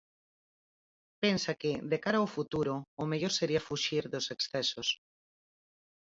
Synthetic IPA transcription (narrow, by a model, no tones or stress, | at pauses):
pensakeðekaɾaofut̪uɾoːmeʎoɾseɾiafuʃiɾðoseksθɛsos